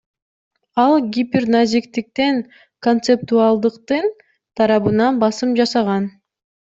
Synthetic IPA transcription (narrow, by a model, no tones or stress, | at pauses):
ɑlˠɡʲipʲernazʲikt̪ik̚t̪en | ko̞nt̪sep̚t̪uɑlˠd̪ɯqt̪ɯn | t̪ʰɑɾɑβɯnɑnbɑsɯmd͡ʒɑsɑʁɑn